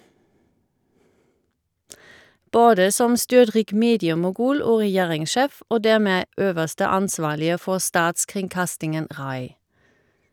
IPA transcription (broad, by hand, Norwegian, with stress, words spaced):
ˈboːdə ˈsɔm ˈstʏʁˌtʁiːk ˈmeːdɪəmʊˌɡʉːl ˈoː ʁɛˈjeːʁɪŋˌʃeːf ˈoː ˈdæːʁˌmeː ˈøːʋəʁstə ˈɑnˌsʋɑːlɪə ˈfɔʁ ˈstɑːtskʁɪŋˌkɑstɪŋən ˈʁɑɪ